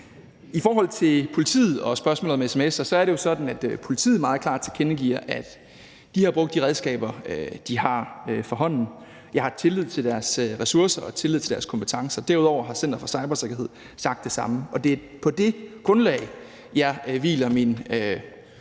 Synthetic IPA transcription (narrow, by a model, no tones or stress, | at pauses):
ifɒːɦɒ̽l̰t͡sʰe̝lpʰo̝lit͡sʰḭːð̩ˠɒ̽sb̥ɶɐsmɔ̰ːlð̩ˠɒmesemesɐsɒ̽æɐɾe̝jo̝sɒ̽d̥n̩æd̥pʰo̝lit͡sʰḭːð̩ˠmɑ̈ːð̩ˠkʰlɑ̈ːd̥t͡sʰe̝ɐkʰenəɡ̥ḭɐ̰ʔæd̥ | d̥ihɑ̈b̥ʁɔ̽ɡ̥̚d̥iʁɛð̞ˠsɡ̥ɛ̰ːb̥ɐd̥ihɑ̈øfɒ̽ɦɒ̽n̰n̩ | jɑ̈ɪhɑ̈t͡sʰe̝lið̞̰ˠt͡sʰeld̥æɐsʁɛsuɐsɐɒ̽t͡sʰe̝lːið̩̰ˠt͡sʰe̝d̥æɐskʰɒ̽mpʰə̥t͡sʰɑ̈ŋsɐd̥æɐuðˠɒʊ̰ɐɦɑ̈sen̰d̥ɐfɒsɑ̈ɪb̥ɐse̝ɡ̥ɐɦe̝ð̞̰ˠsɑ̈ɡ̥̚d̥ːe̝sɑ̈məɒ̽d̥e̝pʰɒ̽d̥e̝ɡ̥ʁɔ̽nlɛ̰ɪ | jɑ̈ɪʋḭːlɐminø